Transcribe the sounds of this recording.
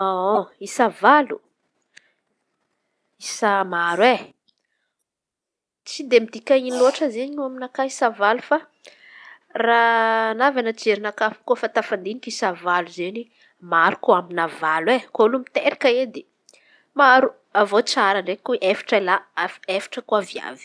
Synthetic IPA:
oisavalu | isamaɾwe | t͡sid̪emid̪ikʲainiloaʈ͡ʂəzeɲuaminakaisavalu̥fa | ranavanət͡seɾinakafi̥kofant̪afand̪inikisavaluzeni | maɾukoaminavalwekolumit̪eɾikəed̪e | maɾu | avot͡saɾaɳɖ͡ʐekuʔefḁʈ͡ʂalaaefḁʈ͡ʂəkuavia̰vi̥

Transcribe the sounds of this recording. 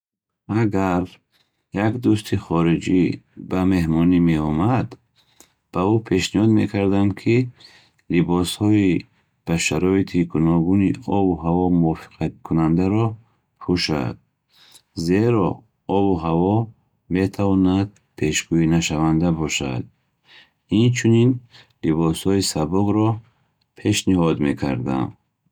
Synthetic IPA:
aɡaɾ | jakd̪ust̪ʰiχɔɾid͡ʒibame̞hmɔnimeɔmad̪ | b̥aupʰe̞ʃnihɔd̪mekʰaɾd̪amkʰi | libɔshɔi | b̥aʃaɾɔit̪ʰiɡunɔɡuniɔbuɦavɔmuvɔfi̥qʰat̪̚kʰunand̪aɾɔ | pʰuʃa̰d̪̥̚ | zeɾɔ | ɔbuɦavɔ | me̞t̪ʰavɔnad̪̚ | pʰe̞ʃɡuinaʃavand̪abɔʃa̰d̪̚ | int͡ʃʰunin | libɔshɔisabuɡɾɔ | pʰe̞ʃniɦɔd̪me̞kʰa̰ɾd̪a̰m

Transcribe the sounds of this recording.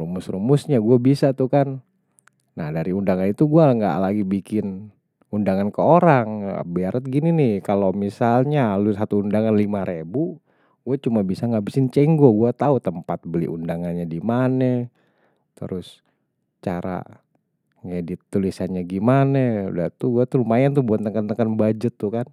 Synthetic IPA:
rumʊsrumʊsɲaɡuabisat̪ukanː | ahdaɾiundaŋanit̪uɡuaŋɡa̰laɡibikɪn | undaŋankəoɾaŋ̰biaɾət̪̚ɡininɪhkalomisalɲalusat̪uːndaŋanlimaɾebu | ɡ̥uat͡ʃumabisaŋɡaʔbisɪɲt͡ʃɛŋɡoɡuat̪aut̪əmpat̪̚bəlḭʔundaŋanɲadimanə | t̪ə̰ɾʔʊs | t͡ʃaɾa̰ | ŋedɪt̪ːulisanɲaɡimanəṵda̰t̪uɡuat̪uumajant̪ubuat̪ːəŋkənt̪əkənbad͡ʒət̪ːukan

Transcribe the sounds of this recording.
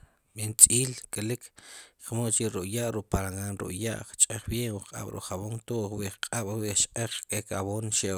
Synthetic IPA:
mint͡sʼiːlkʼelikʰχmolt͡ʃiɾuʔjaʔɾuʔpaɾaŋaːnɾṵʔja̰ʔχt͡ʃʼeχbjeːŋwiqʼa̰ɓ̥ɾṵχaβoŋt̪oʔχwiʔχqʼaɓ̥wiʔt͡ʃqʼeχkʼekaβoːnʃe

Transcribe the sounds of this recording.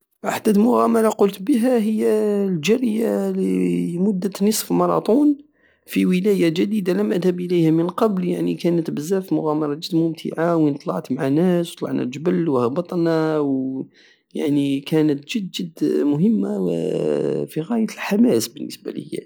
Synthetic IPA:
ʔaħd̪æt̪mʊɣæmælaqʊlt̪bəɦæɦəjːæld͡ʒæɾjalimʊd̪ːət̪nəsˤfmɑɾˤɑ̰t̪ˤun | fiwəlæjaʒæd̪id̪aləmʔæd̪həbʔələjhæmənqɑbljaʕnikænət̪bəzːæfimʊɣæmɑɾˤɑd͡ʒəd̪mʊmt̪ʰə̰ʕawənt̪ˤlɑ̰ʕt̪mʕanæswt̪ˤlɑ̰ʕnæ̰d͡ʒəbəlwhɑbɑt̪ˤnæw | jaʕnikʰænət̪ʒəd̪d͡ʒəd̪ːmʊɦəmːaw̰ | fiɣæjət̪əlħamæsbənːə̰sba̰lə̰jːæ̰

